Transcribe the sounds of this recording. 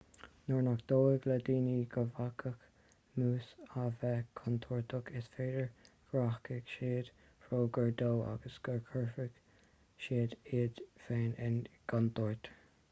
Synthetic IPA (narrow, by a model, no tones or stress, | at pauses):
nɔɹnakd̪̥oːɪɡlad̪iːniɡ̥əvakʰək | muːsavɛkʰɔnt̪ʰɔːɹt̪ʰʊkʰɪsfeːdəɹ | ɡ̥ɹahkəɡ̥ʃeːd̪̥ | fɹoːɡəɹd̪oːa̰ɡəsɡ̥əɹkʰəɹfɪɡ̥ | ʃeːd̪iːd̪feːnɪnɡ̥ant̪ɔːɹt̪ʰə